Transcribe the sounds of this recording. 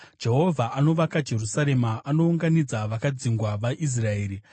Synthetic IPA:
d͡ʒe̞ɦo̞vʱaano̞ʋakad͡ʒe̞rusaɾe̞maano̞uŋɡanid͡zaʋakad͡ziŋɡwaʋaʔis̬rae̞ːɾi

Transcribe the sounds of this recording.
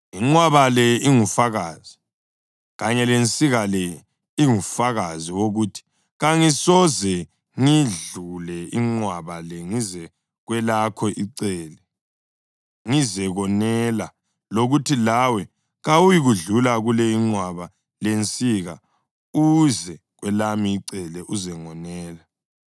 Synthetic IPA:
iŋ͡ǀwaβalɛiŋufaɣaːz̥i | ɣaɲɛlent͡sʼiɣalɛ | iŋufaɣaziwoɣuːtʰi̥ | ɣaŋisɔzɛ | ŋiɮulɛiŋ͡ǀwaβalɛŋizɛ | ɣwɛlakʰɔʔiǀɛlɛ | ŋizɛɣɔnɛla | loɣutʰilawɛ | ɣawujiɣuɮulaɣulɛiŋ͡ǀwaβa | lent͡sʼiɣa | uzɛ | ɣwɛlamiːǀɛlɛʔuzɛŋɔnɛːla

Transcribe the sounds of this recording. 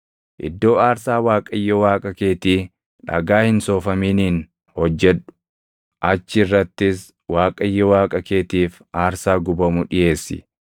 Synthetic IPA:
ʔɪ̰d̪ːo̞ːaːɾsaːwaːkʼɐjːɔwaːkʼɐke̞ːt̪iː | ᶑɐ̰ɡaːhɪnsoːfɐmiːniːn | hɔd͡ʒːɛᶑʊ̥ | ʔɐt͡ʃːɪrːɐt̪ːɪs | waːkʼɐjːɔwaːkʼɐke̞ːt̪iːf | aːɾsaːɡʊbɐmʊᶑɪjʔe̞ːsːɪ̰

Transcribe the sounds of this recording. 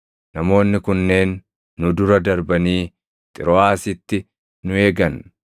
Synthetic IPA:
nɐmo̞ːnːɪkʊnːe̞ːnː | ʊd̪ʊɾɐd̪ɐɾbɐniː | t̪ʼɪɾɔaːsɪt̪ːɪ | nʊe̞ːɡɐn

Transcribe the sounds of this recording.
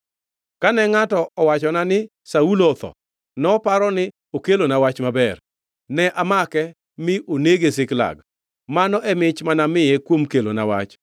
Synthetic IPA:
kanɛŋatɔɔwat͡ʃɔnanɪ | saulɔt̪ɔ̰ | nɔpaɾɔnɪ | okelonawat͡ʃmabɛr | nɛʔamakɛ | mɪʔoneɡesɪkla̰ɡ̚ | manɔʔɛmɪt͡ʃmanamɪjekwomkelo̰na̰wa̰t͡ʃ

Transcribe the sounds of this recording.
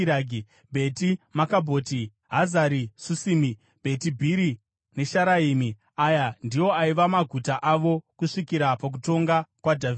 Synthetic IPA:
aɡi | bʱe̞timakabʱo̞ːti | ɦazaɾisusimi | bʱe̞tibʱiɾi | ne̞ʃaɾaiːmi | ajandijo̞aiʋamaɡʱutaʔaʋo̞kuʂikiɾapak̬uto̞ŋɡakwadʱav

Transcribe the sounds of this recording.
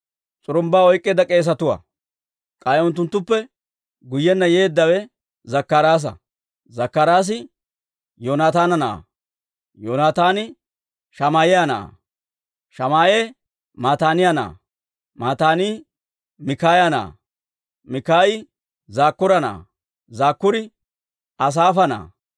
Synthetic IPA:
t͡sʼʊɾʊmbaːɔjkʼːeːd̪ɐkʼe̞ːs̬ɐt̪ʊwa̰ | kʼɐjʊnt̪ːʊnt̪ːʊpːɛ | ɡʊjːɛnːɐjeːd̪ːɐwɛ | zɐkːɐɾaːs̬ɐ̰ | zɐkːɐɾaːs̬ɪ | joːnaːt̪aːnɐna̰ː | joːnaːt̪aːnɪ | ʃɐmaːjɛjana̰ː | ʃɐmaːʔeː | maːt̪aːnɪjana̰ː | maːt̪aːniː | mɪkaːjɐna̰ː | mɪkaːjɪ | zaːkːʊɾɐna̰ː | zaːkːʊɾɪ | ɐs̬aːfɐna̰ː

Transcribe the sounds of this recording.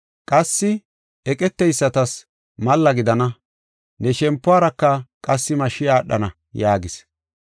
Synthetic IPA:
kʼɐsːɪ | ɛkʼɛt̪ːɛjsːɐt̪ɐs | mɐlːɐɡɪd̪ɐnɐ | nɛʃɛmpːʊaːɾɐkːɐkʼɐsːɪmɐʃɪjaːɗːɐ̰nɐ | jaːɡɪs

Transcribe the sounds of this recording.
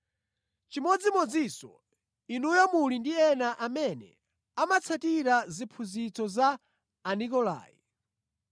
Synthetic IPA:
t͡ʃimɔd͡zimɔd͡zisɔ̰ | inujɔmulindiɛnaʔamɛnɛ̰ | amat͡sʰatiɾazipʰuzit͡sɔzaː | nikɔla̰ːjḭ

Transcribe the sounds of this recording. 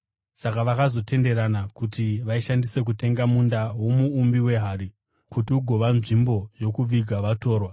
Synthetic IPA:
sakaʋakazo̞te̞nde̞ɾanakutiʋaiʃandise̞k̬ute̞ŋɡamundawo̞muːmbiwe̞ɦaɾi | kutiuɡʱo̞ʋanʐimbo̞jo̞kuiɡʱaʋato̞ːrwa

